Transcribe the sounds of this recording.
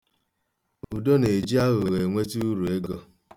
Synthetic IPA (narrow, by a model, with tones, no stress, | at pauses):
u˨do˦ne˨d͡ʒi˦a˦ɣo˨e˨ɣe˨ŋʷe˦ti˦u˦ɾu˨e˦ɡɔ˦